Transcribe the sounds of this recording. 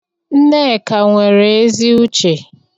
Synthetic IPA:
n̩˦ne˦˨ka˨ŋʷe˨ɾe˨e˦zi˦u˦t͡ʃe˨

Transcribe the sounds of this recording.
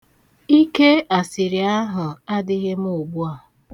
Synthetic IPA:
i˦ke˦a˨sɪ˨ɾi˨a˦ɦʊ˨a˦dɪ˦ɣɪ˦m̩˦o˨bu˦a˨

